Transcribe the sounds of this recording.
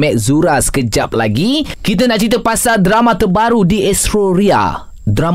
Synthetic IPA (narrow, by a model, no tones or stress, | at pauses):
mɛʔ̚zuɾaskəd͡ʒa̰p̚la̰ɡikit̪̬ənãʔt͡ʃɾit̪əpasadɾamãt̪ərbaɾudiʔɛst̪ɾoɾia̰ | dɾam